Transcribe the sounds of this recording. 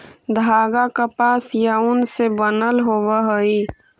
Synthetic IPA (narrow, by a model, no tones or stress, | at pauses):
d̪ʱaːɡakapaːsjaʊnsebənəlɦobəɦəi